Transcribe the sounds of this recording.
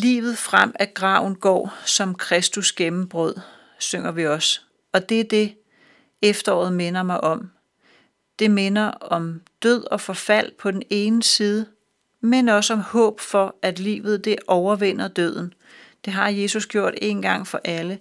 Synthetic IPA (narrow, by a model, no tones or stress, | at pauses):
lḭːʋð̩ˠfʁam̰æɡ̥ʁɑ̈ʊ̰n̩ɡ̥ɒ̰ːsɒ̽mkʰʁɛsd̥usɡ̥emm̩b̥ʁɔð̰ˠ | søŋ̰ɐʋiɒ̽s | ɒ̽d̥e̝d̥e̝ | efd̥ɐɒ̰ːð̩ˠme̝nɐmɑ̈ɪʔɒ̽m | d̥e̝me̝nɐɒ̽md̥øð̞̰ˠɒ̽fɒ̽fæl̰pʰɒ̽d̥en̩e̝ːnəsiːð̞ˠə | menɒ̽səɒ̽mhɔ̰̽ːb̥fɒ̽æd̥lḭːʋð̞̩ˠd̥e̝ʔɒʊɐʋen̰ɐd̥øð̞̰ˠn̩ | d̥e̝ɦɑ̈je̝ːsusɡ̥jo̝ɐ̰d̥e̝ːnɡ̥ɑ̈ŋ̰fɒ̽ʔælə